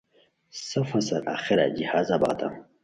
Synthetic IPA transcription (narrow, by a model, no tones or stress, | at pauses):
sɐfɐsalʔa̰xɪɾa̰d͡ʒihaːzaba̰ta̰ŋ